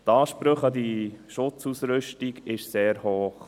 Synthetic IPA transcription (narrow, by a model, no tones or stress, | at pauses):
t̪ɑːʃpɾøχɑdiʃʊt͡susɾʏʃtiɡɪʃseːɾhoːχ